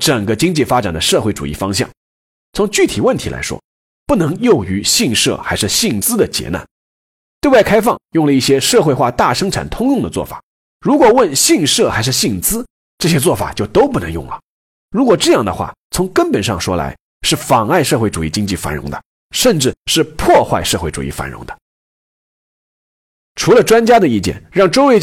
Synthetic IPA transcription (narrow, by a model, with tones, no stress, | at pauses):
ʈ͡ʂə˨˩ŋɡə˦t͡ɕi˥ŋt͡ɕi˥˩fa˥ʈ͡ʂa˨˩nd̪ə˦ʂɤ˥˧xwe˥˩ɪʈ͡ʂṵ˨˩ḭ˥˩fɑ˥ŋɕjɑ̰˥˩ŋ | t͡sʰʊ˧˥ŋt͡ɕy˥˩t̪ʰi˨˩wə˥˩nt̪ʰi˧˥lʔa̰˧˥ɪʂwɔ̰˥ | pu˥˩nɤ˧˥ŋjo˥˩ʊy˧˥ɕi˥˧ŋʂɤ̰˥˩xa˧˥ɪʂɻ̩˥˧ɕi˥˩ŋt͡sɹ̩˥d̪ə˨t͡ɕjɛ̰˧˥na̰˥˩n | t̪we˥˧wa˥˩ɪkʰa˥ɪfɑ˥˧ŋjʊ˥˩ŋlə˩i˥˩ɕjɛ˥ʂɤ˥˧xwe˥˧xwa˥˧t̪a˥˩ʂɤ˥ŋʈ͡ʂʰa̰˨˩nt̪ʰʊ˥ŋjʊ˥˩ŋd̪ə˩t͡swɔ̰˥˩fa̰˨˩˦ | ɻu˧˥kwɔ˨˩wə˥˧nɕi˥˧ŋʂɤ˥˩xa˧˥ɪʂɻ̩˥˧ɕi˥˩ŋt͡sɹ̩˥ | ʈ͡ʂɤ˥˩ɕjɛ˥t͡swɔ˥˩fa̰˨˩t͡ɕjo˥˩ʊt̪o˥ʊpu˥˩nɤ˧˥ŋjʊ˥˩ŋlə˩ | ɻu˧˥kwɔ˨˩ʈ͡ʂɤ˥˧jɑ˥˩ŋd̪ə̰˩xwa̰˥˩t͡sʰʊ˧˥ŋkə˥npə˨˩nʂɑ̰˥˧ŋʂwɔ˥la̰˧˥ɪ | ʂɻ̩˥˩fɑ˨˩ŋa˥˧ɪʂɤ˥˧xwe˥˩ɪʈ͡ʂu˨˩i˥˩t͡ɕi˥ŋt͡ɕi˥˩fa̰˧˥nɻʊ̰˧˥ŋd̪ə̰˧ | ʂə˥˧nʈ͡ʂɻ̩˥˧ʂɻ̩˥˧pʰwɔ˥˧xwa˥˧ɪʂɤ˥˧xwe˥˩ɪʈ͡ʂṵ˨˩ḭ˥˩fa̰˧˥nɻʊ̰˧˥ŋd̪ə̥˧ | ʈ͡ʂʰu˧˥lə˧ʈ͡ʂwa˥nt͡ɕja˥d̪ə˨i˥˩t͡ɕjɛ̰˥˩nɻɑ˥˩ŋʈ͡ʂo˥ʊwe˧ɪ